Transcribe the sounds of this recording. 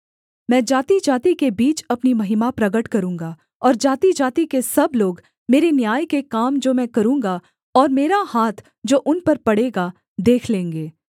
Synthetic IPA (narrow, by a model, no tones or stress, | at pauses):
mɛ̃ːd͡ʒaːt̪id͡ʒaːt̪ikebiːt͡ʃɐpnimɐɦɪmapɾɐɡəʈkɐɾũːŋɡa | ɔːɾd͡ʒaːt̪id͡ʒaːt̪ikesɐbloːɡ | meːɾenjaːjkekaːmd͡ʒoːmɛ̃ːkɐɾũːŋɡa | ɔːɾmeːɾahaːt̪ʰ | d͡ʒoːʔʊnpɐɾpɐɽeɡa | d̪eːkʰlẽːŋɡeː